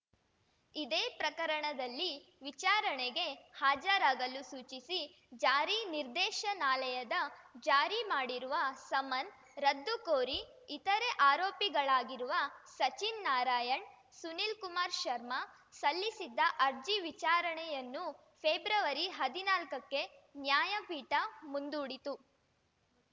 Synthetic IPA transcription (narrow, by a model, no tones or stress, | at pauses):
id̪eːpɾɐkɐɾɐɳɐd̪ɐlːiʋit͡ʃaːɾɐɳɛɡe̞haːd͡ʒɐɾaːɡɐlusuːt͡ʃisi | d͡ʒaːɾiniɾd̪ɛːʃɐnaːlɐjɐd̪ɐd͡ʒaːɾimaːɽiɾuʋɐsɐmɐn | ɾɐd̪ːukoːɾiː | t̪ɐɾeʔaːɾoːpiɡɐɭaːɡiɾuʋɐsɐt͡ʃinːaːɾaːjɐɳ | sunilkumaːɾʃɐɾmɐ | sɐlːisid̪ːɐʔɐɾd͡ʒiʋit͡ʃaːɾɐɳɛjɐnːu | pʰeːbɾɐʋɐɾiɦɐd̪inaːlkɐkːe̞njaːjɐpiːʈɐmund̪uːɽit̪u